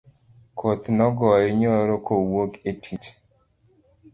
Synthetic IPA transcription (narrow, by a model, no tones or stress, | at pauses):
kʰot̪nɔɡɔɪɲoɾokowoketʰit͡ʃ